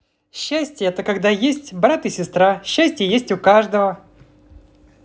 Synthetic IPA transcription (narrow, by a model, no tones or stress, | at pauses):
ɕːæsʲtʲjəɛt̪əkɐɡd̪ajesʲtʲbɾat̪ɨsʲɪst̪ɾaɕːæsʲtʲɪjəjesʲtʲʊkaʐd̪əvə